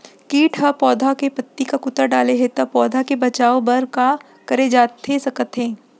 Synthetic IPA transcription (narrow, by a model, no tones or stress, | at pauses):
kiːʈʰɦɐpɔːd̪ʱakepɐt̪ːikakʊt̪əɾɖaːleɦet̪ɐpɔːd̪ʱakebɐt͡ʃaːobɐɾka | kɐɾed͡ʒaːt̪ʰesɐkət̪ɦẽː